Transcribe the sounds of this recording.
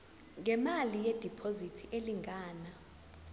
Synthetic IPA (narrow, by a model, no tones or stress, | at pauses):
ŋʱɛmalijed̥ʱipʰozitʰiʔeliŋʱaːna